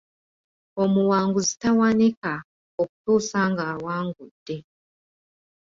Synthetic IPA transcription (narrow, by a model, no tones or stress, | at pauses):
omuwaːŋɡuzitawanika | oku̥tuːsaŋɡaːwaːŋɡud̥ːe